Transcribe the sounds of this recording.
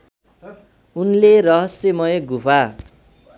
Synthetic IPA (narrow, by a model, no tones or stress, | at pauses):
unleɾʌɦʌsemʌjɡupʰa